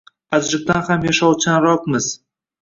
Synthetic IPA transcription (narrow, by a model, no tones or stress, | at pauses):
ad͡ʒɾɪb̚t̪anhamjaʃɒwt͡ʃʰanɾɒqmɪz̥